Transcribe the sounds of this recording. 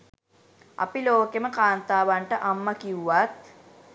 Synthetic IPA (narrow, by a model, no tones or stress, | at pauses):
a̰piloːkeməkaːnt̪aːʋaɳʈəʔamːakiuʋat̪̚